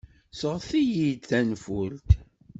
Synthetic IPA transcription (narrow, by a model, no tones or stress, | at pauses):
səʁθijid̪θænfʊlt̪